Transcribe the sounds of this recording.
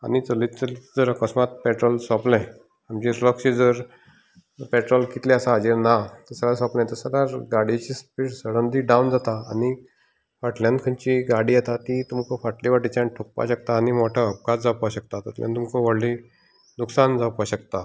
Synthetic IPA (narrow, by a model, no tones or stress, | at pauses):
anit͡səlit̪t͡səlid͡zəɾəkəsmat̪̚pɛʈɾɔlsɔplɛ̃ | amd͡ʑiləkɕid͡zəɾ | pɛʈɾɔlkit̪leasaɦad͡ʑiɾnat̪əɾsəɽasɔ̃plɛ̃t̪əsəɽaɾɡaɽit͡ɕispiːʈsəɽənd̪iɖawnd͡zat̪aa̰ni | faʈljãnkʰəɲt͡ɕiɡaɽiːjat̪at̪it̪umkɔfaʈliʋaʈit͡ɕaɳʈʰok̚pa̰ɕək̚t̪aːnimoʈʰaːp̚ɡat͡sd͡zapaɕək̚t̪at̪ət̪lja̰nt̪umkɔʋəɽli | d̪uksand͡zapaɕəkt̪a